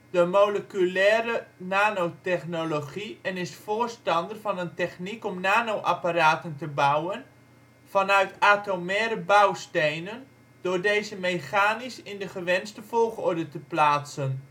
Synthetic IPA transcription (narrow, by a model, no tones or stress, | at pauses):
d̥əmowləkylɛːɾənaːnowtɛχnoloχiənɪsfoːrstɑndərfɑnəntɛχnikɔmnaːnowʔapaɾaːtəntəbawən | fɑnœɥtaːtomɛːɾəbawstejnən | d̥ʊːrdeːzəmejxaːnisɪndəχəʋɛnstəfolˠxɔrdətəplaːtsən